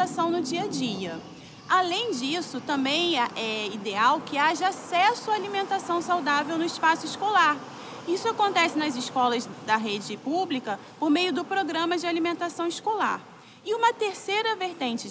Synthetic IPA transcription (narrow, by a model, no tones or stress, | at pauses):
asɐ̃w̃nʊd͡ʒiɐd͡ʒiɐ | alẽj̃d͡ʒisʊt̪ɐ̃mbẽj̃ɛʔɛid̪eawkɪaʒɐasɛsʊaalimẽnt̪asɐ̃w̃sawd̪avewnʊɪʃpasʊɪʃkolaɾ | isʊakõnt̪ɛsɪnɐzɪskɔlɐzd̪ɐɦed͡ʒɪpublikɐ | poɾmejʊd̪ʊpɾoɡɾɐ̃mɐd͡ʒɪalimẽnt̪asɐ̃w̃ɪʃkola̰ɾ | ɪũmɐt̪eɾsejɾɐveɾt̪ẽnt͡ʃɪ